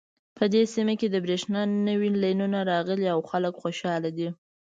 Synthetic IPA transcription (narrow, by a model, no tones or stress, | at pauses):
pʰəd̪esimaked̪əbɾeʃnɑnəwilɑjnunaɾɑɣəliawxaləkxoʃɑlad̪i